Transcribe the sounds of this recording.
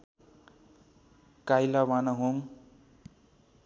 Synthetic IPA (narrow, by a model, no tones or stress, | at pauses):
kajlawanaɦoŋ